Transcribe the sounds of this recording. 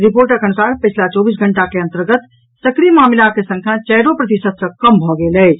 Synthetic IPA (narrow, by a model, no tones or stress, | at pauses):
ɾipoɾʈəkʰənusaɾpət͡ʃʰlat͡ʃɔbis̬ɡʱəɳʈakeə̃nt̪əɾɡət̪ | səkɾimamlakesə̃ŋkʰjat͡ʃɛɦɾopɾət̪isəd̪sə̃kəmbʱɔɡelɛ